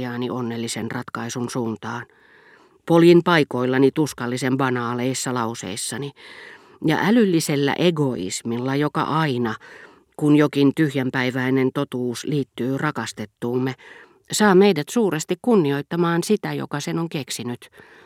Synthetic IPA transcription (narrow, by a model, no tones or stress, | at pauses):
ɑːniʔonːelːisenrɑt̪kɑisunsuːnt̪ɑːn | poljinpɑikoilːɑnit̪uskɑlːisemʋɑnɑːleisːɑlɑusḛisːɑni | jɑ̰ʔælylːiselːæ̰ʔeɡoḭsmilːɑjokɑ̰ʔɑinɑ | kunjokint̪yhjæmpæiʋæinent̪ot̪uːsliːt̪ːyːrɑkɑst̪et̪ːuːmːe | sɑːmeidæt̪suːrest̪ikkunːioit̪ːɑmɑːnsit̪æjo̰kɑsenoŋkeksinyt̪